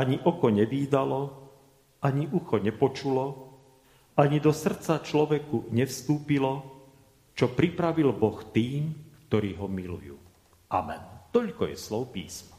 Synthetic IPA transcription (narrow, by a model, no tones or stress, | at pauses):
aɲiʔɔkɔɲɛʋiːd̪alɔ | aɲiʔuxɔɲɛpɔt͡ʃulɔ | aɲid̪ɔsr̩t͡sat͡ʃlɔʋɛkuɲɛfst̪uːpilɔ | t͡ʃɔpɾipɾaʋilbɔxt̪iːmkt̪ɔɾiːɦɔmilṵjṵː | ʔa̰mɛ̰nt̪ɔʎkɔjɛ̰slɔʊpḭːsmɔ